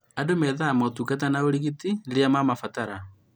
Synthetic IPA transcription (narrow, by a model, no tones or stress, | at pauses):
adomɛðaːmɔtukat̬anaoɾiɣitiɾeamamafataɾa